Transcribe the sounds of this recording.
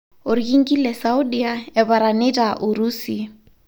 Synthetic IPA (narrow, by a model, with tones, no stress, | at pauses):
ʊ˨ɾi˨kʼi˦ŋ̩˦kʼi˦lɛ˨saʊ˦di˦a˦ɛ˨baɾa˨nɪ˦dʼa˨ʔʊ˨ɾuː˦si˨